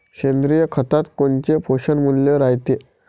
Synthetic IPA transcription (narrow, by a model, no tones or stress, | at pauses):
kend̪ɾijəkʰət̪at̪kont͡ɕefoɕənmuljeɾajt̪e